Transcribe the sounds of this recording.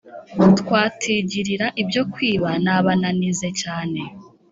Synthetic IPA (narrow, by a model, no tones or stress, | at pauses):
tkwaːtʰiɟiɾiɾaʔibjo̞kwiːβanaβananize̞caːne̞